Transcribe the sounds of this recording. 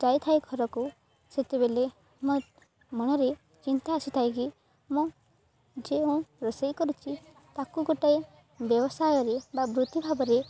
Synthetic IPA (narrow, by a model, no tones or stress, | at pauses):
d͡ʒajt̪ʰajɡʱɔɾɔku | set̪ebele | mũ | mɔɽ̃ɔɾe | t͡ʃint̪aːsit̪ʰajki | mũ | d͡ʒeũɾɔsejkɔɾut͡ʃʰi | t̪akuɡoʈaj | bjɔbɔsajɔɾebabɾut̪ibʱabɔɾe